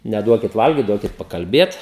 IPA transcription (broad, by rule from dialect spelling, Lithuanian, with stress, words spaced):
nʲɛˈduɔkʲɪt ˈʋɐlʲɡʲiːt ˈduɔkʲɪt pɐkɐlʲˈbʲeːt